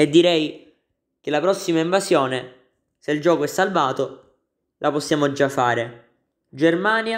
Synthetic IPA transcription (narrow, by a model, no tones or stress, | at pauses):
ed̪ːiɾɛj | kelːapɾɔsːimaiɱvasjɔːne | seild͡ʒɔːkoɛsːalvaːt̪o | lʔaposːjaːmod͡ʒafːaːɾe | d͡ʒermaːnja